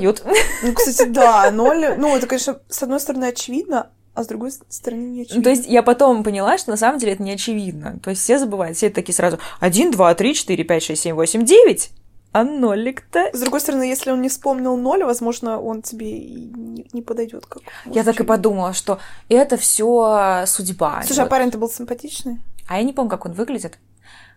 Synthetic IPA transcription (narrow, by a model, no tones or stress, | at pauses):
jut̪nukst̪atʲɪd̪anolʲnuɛt̪əkɐnʲeʂnəsɐd̪no̞jst̪əɾɐnɨɐt͡ɕɪvʲid̪̚nə | ɐzd̪ɾʊɡo̞jst̪əɾɐnɨnʲɪɐnt̪o̞ɪs̬ʲtʲjapɐt̪o̞mpənʲɪlˠaʂt̪o̞nɐs̬aməmdʲelʲɪɛt̪ənʲɪɐt͡ɕɪvʲid̪̚nə̰t̪o̞ɪsʲtʲfsʲezəbɨvajʊt̪fsʲeɛt̪ət̪ɐkʲiːjsɾazʊɐdʲind̪vat̪ɾʲit͡ɕɪ̥t̪ɨɾʲɪpʲætʲʂɛstʲsʲemʲvo̞sʲɪmʲdʲevʲɪtʲ | ɐnolʲːɪkt̪əzd̪ɾʊɡo̞jst̪əɾɐnɨjesʲlʲɪonnʲɪfspomnʲɪlˠno̞lʲvɐzmo̞ʐnəʔo̞ntʲɪbʲeḭnʲɪnʲɪpəd̪ɐjdʲo̞̰t̪kakjat̪akɨpɐd̪uməlˠəʂt̪o̞ɛt̪əfsʲosʊdʲba̰sˠaʂɪɐpaɾɪnʲt̪əbɨlˠsʲɪmpɐtʲit͡ɕnɨjɐjanʲɪpomʲnʲʊkako̞nvɨɡlʲɪdʲɪt̪